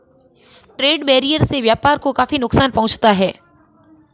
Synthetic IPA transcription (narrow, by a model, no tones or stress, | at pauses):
ʈɾeːɖbɛːɾijəɾseʋjaːpaːɾkokaːfinʊksaːnpɐɦʊ̃t͡ʃt̪aɦɛː